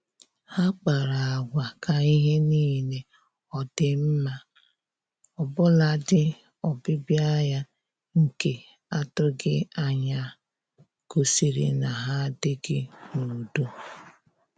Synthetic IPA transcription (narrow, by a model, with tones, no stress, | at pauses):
ha˦k͡pa˨ɾa˨a˨ɡʷa˨ka˨i˦ɦe˦niː˦ne˨ | ɔ˨dɪ˨m̩˦ma˦ | ɔ˨bʊ˦la˨dɪ˦ | ɔ˨bɪ˦bja˦ja˦ | ŋ̩˨ke˨ | a˦tʊ˦ɡɪ˦a˦ɲa˨ | ko˨si˨ɾḭ˦na˨ɦa˦dɪ˦ɡɪ˦nu˨do˦